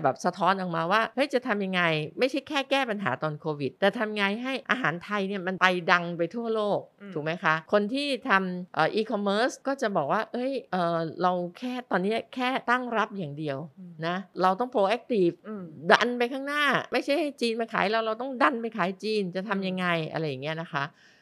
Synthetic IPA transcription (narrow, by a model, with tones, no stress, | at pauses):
bɛː˨˩p̚sa˧t̪ʰɔː˦˥nʔɔ˨˩k̚maː˧waː˥˩ʔɤ˦˥jt͡ɕa˨˩t̪ʰa˧mja˧ŋːa˧jma˥˩jt͡ɕʰa˥˩jkʰɛː˥˩kɛː˥˩pa˧nɦa̰ː˩˦t̪ɔː˧nkʰoː˧wi˨˩t̪̚ːɛː˨˩t̪ʰa˧mŋa˧jɦa˥˩jʔa̰ː˧ɦaː˩˦nt̪ʰa˧jni˥˩ɐma˧npa˧jda˧ŋpa˧jt̪ʰu˥˩ɐloː˥˩k̚t̪ʰu˨˩˦kma˦˥jkʰa˦˥ʔkʰo˧nt̪ʰiː˥˩t̪ʰa˧mʔɤː˨˩ʔiː˧kʰɔ˧mːɤː˦˥skɔː˥˩t͡ɕa˨˩bɔː˨˩k̚waː˥˩ʔɤ˦˥jʔɤː˨˩ɾa˧wkʰɛː˥˩t̪ɔː˧nːi˦˥ɐkʰɛː˥˩t̪a˥˩ŋɾa˦˥p̚jaː˨˩ŋdi˧əwna˦˥ɾa˧wt̪ɔ˥˩pʰɾoː˧ʔɛ˦˥k̚t̪i˨˩pda˧npa˧jkʰaː˥˩ŋnaː˥˩ma˥˩jt͡ɕʰa˥˩jha˥˩jt͡ɕiː˧nma˧nkʰaː˨˩˦jɾa˧wɾa˧wt̪ɔ˥˩ŋda˧npa˧jkʰaː˨˩˦jt͡ɕiː˧nt͡ɕa˨˩t̪ʰa˧mja˧ŋːa˧jʔa̰˧ɾa˧jːa˨˩ŋːi˦˥ɐ˨na˦˥kʰa˦˥ʔ